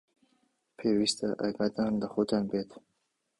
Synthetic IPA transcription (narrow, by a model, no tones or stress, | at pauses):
pʰeːwist̪aʔaɡad̪and̪əxot̪ʰanbet̪